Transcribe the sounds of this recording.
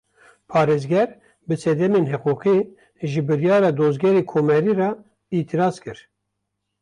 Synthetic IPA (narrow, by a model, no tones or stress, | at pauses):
pʰɑːɾeːzɡɛɾ | bɨsɛd̪ɛmeːnɦɛquːqi | ʒɨbɨɾjɑːɾɑːd̪oːzɡɛɾeːkʰoːmɛɾiːrɑ | it̪ʰiɾɑːzkɨɾ